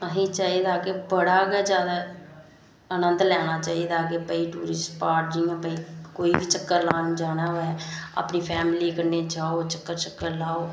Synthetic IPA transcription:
əɦĩːt͡ʃaːiːd̪aːkeːbəɽaːɡɛːd͡ʒjaːd̪aː | ənənd̪lɛːɽ̃aːt͡ʃaːiːd̪aːkeːbəiːʈuːɾɪsʈpaːɾd͡ʒĩːɛ̃ːbəiːkoːiːbiːt͡ʃəkːəɾlaːnĩd͡ʒaːɽ̃aːɦoɛːa̰ːpniːpʰɛːmɪliːkəneːd͡ʒaːoːt͡ʃəkːəɾt͡ʃəkːəɾlaːoː

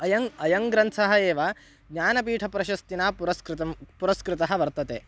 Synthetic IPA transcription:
ɐjɐŋɐjɐŋɡɾɐnt̪sʰɐɦɐeːʋɐ | ɡɲaːnɐpiːʈʰɐpɾɐʃɐst̪inaːpɾɐskɾt̪ɐmpuɾɐskɾɪt̪ɐɦɐʋɐɾt̪ɐt̪eː

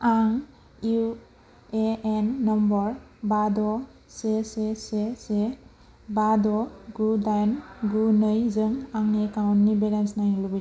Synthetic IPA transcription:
aŋ | u | eenːɔmbɔɾ | badɔ | sesesese | badɔɡudajnɡunɯjzɯŋaŋekawnːibeɾensnajŋlubi

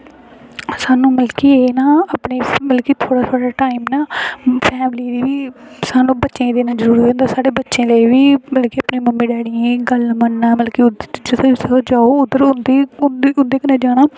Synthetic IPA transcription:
saːnũːməlkiːeːnaːəpɳiːməlkiːt̪ʰoːɽaːt̪ʰoːɽaːʈaːimnaːpʰɛːmliːd̪iːʋiːsaːnũːbətːʃẽːd̪eːnãːd͡ʒəɾuːɾẽːnd̪aːsaːɽeːbətːʃẽːləiːʋiːməlkiːəpɳĩːməmːĩːɖɛːɽiẽːɡəlmənːaːməlkiːʊd̪t͡ʃət̪ʰosd͡ʒaːoːʊd̪ːəɾʊnd̪iːdʊnd̪eːkənẽːd͡ʒaːɽaː

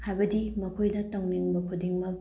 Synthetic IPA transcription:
hajbɐdimɐkʰojdɐtoŋniŋbɐkʰudiŋmɐk̚

